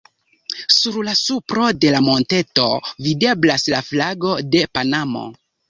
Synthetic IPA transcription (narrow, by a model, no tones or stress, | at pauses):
suɾlasupɾo̞de̞lamo̞nte̞to̞vide̞blaslaflaɡo̞de̞panamo̞̰